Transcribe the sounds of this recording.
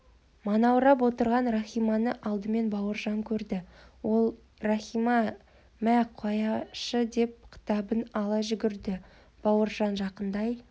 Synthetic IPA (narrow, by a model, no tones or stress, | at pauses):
mɑnɑwɾɑp̬wo̞t̪əɾʁɑnraχʲijmɑnəʔɑlˠd̪əme̞nbɑwəɾʒɑŋkʲʰɵɾd̪ɪwo̞lˠ | raχimɑ | mæqʰɑjɑʃəd̪e̞p̚qʲʰə̥t̪ɑbənɑlˠɑʒʏɡʲɪɾd̪ɪ | b̥ɑwəɾʒɑnʒɑqənd̪ɑj